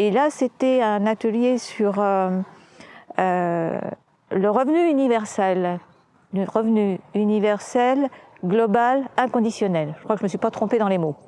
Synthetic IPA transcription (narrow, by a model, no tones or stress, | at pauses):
elaset̪ɛɛ̃nat̪əljesyʁø | ø | ləʁəvnyynivɛʁsɛlː | əʁəvnyynivɛʁsɛlɡlɔbalɛ̃kɔ̃d̪isjɔnɛlʒə̥kwakʒəməsɥipat̪χɔ̃ped̪ɑ̃lemo